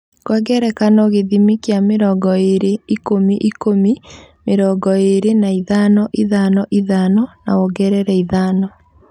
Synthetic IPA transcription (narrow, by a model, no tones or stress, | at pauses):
kwɛɡɛɾɛkanɔɣeðimikjameɾɔːɡɔeɾeikomiʔikomi | meɾɔɡɔeɾenaiðanɔʔiðanɔʔiðanɔna̰oɡɛɾɛɾɛiðaːnɔ